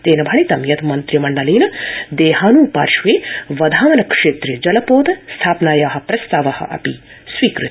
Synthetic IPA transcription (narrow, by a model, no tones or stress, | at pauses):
t̪eːnɐbʱɐɳit̪ɐmjɐt̪ʰmɐnt̪ɾjimɐɳɖɐliːnɐd̪eːɦaːnuːpa̰ːɾʃʋeːʋɐd̪ʱaːʋɐnɐkʂeːt̪ɾid͡ʒɐlɐpoːd̪ɐst̪ʰaːpnaːjaːɦɐ̆pɾɐst̪aːʋɐhɐ̰ʔɐ̰pi | sʋiːkɾṵt̪